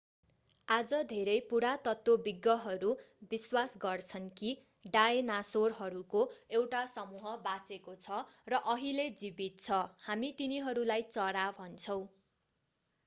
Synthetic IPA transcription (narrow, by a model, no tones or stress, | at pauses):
ad͡zʌd̪ʱeɾʌjpuɾat̪ʌt̪wobiɡːʌɦʌɾubiswasɡʌrt͡sʰʌnki | ɖaenasorɦʌɾukoewʈasʌmuɦʌbat͡sekot͡sʰʌrʌʔʌɦiled͡zibit̪̚t͡sʰʌhamit̪iniɦʌɾulajt͡sʌɾabʱʌnt͡sʰʌw̃